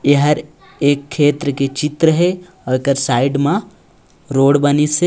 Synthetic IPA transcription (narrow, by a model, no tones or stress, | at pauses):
jeɦəɾ | eːkʰːeːt̪ɾəket͡ʃɪt̪ɾəɦe | ɔkəɾsaːɪɖmã | ɾoːɽbənise